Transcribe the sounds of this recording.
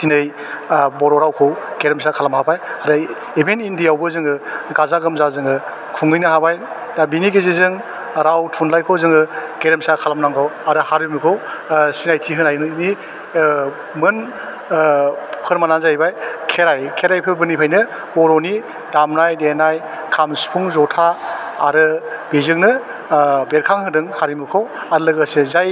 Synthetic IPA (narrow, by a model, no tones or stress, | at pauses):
tʰinɯj | bɔɾɔɾawkʰowɡeɾemsakʰalamhabajaɾɯ | ebenindijawbɯzɯŋɯɡazaɡɯmzazɯŋɯ | kʰuŋɯjnɯɦabaj | dabiniɡezizɯŋ | ɾawtʰunlajkʰowzɯŋɯɡeɾemsakʰalamnaŋɡʰɔwaɾɯhaɾimikʰowsinajtʰiɦɯnajnɯni | mɯn | kʰɯɾmanazajbajkʰeɾajkʰeɾajpʰɯbɯnipʰajnɯ | bɔɾɔni | damnajdenaj | kʰamspʰuŋzɔtʰa̰ːɾɯbezɯŋnɯ | beɾkʰaŋɦɯdɯŋhaɾimɯkʰowaɾlɯɡɯsezaj